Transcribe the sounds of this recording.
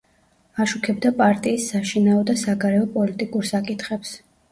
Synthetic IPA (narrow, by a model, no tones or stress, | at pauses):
aʃukʰɛbd̪apʼaɾt̪ʼiːsːaʃinaɔd̪asaɡaɾɛɔpʼɔlit̪ʼikʼuɾsakʼit̪ʰχɛps